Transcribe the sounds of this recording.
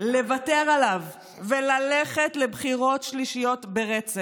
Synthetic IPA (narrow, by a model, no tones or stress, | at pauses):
le̞vate̞ʁalavː | elaleχetle̞bχiʁo̞tʃliʃijo̞tbe̞ʁet͡se